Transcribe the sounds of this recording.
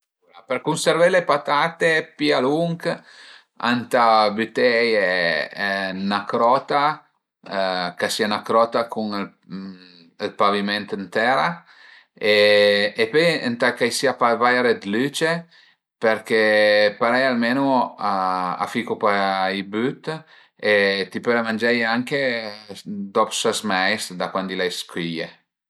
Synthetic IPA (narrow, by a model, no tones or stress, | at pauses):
uɾapeɾkunseɾvajlepat̪aːt̪epialuŋk | a̰nt̪abyt̪ɛjɛ | nakɾɔt̪a | kasianakɾɔt̪akuŋl | lpavimɛnt̪ənt̪ɛɾa | eː | pøjənt̪akajsiapavajɾed̪lyt͡ʃe | peɾkepaɾɛjalmenuaa̰fikupaibyt̪ | et̪ipølamand͡ʒɛjaŋke | d̪ɔpsasmɛjsd̪akwand̪ilajskwije